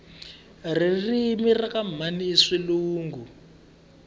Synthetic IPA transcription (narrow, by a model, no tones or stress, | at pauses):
ririmirakamaniːʂiluːŋɡu